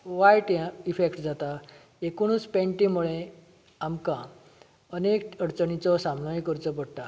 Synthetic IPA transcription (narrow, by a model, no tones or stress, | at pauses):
ʋajʈjãifekʈd͡zat̪a | ekuɽ̃ut͡spɛ̃ɳʈĩmuɭẽ | amkã | ənekəɽt͡sənit͡sɔsamnajkəɾt͡səp̬əɽʈ̪a